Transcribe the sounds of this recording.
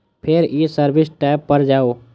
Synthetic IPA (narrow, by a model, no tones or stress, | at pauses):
pʰɪɾisəɾbʱɪsʈaːɪbːəɾd͡ʒaːoː